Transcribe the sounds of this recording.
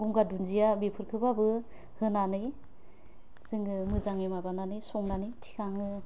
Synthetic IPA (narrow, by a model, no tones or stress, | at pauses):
ɡuŋɡadunzijabipʰɯɾkʰɯbabɯ | hɯnanɯj | z̥ɯŋɯmɯzaŋemabananɯjsɔŋnanɯjtʰi̥kʰaŋɯ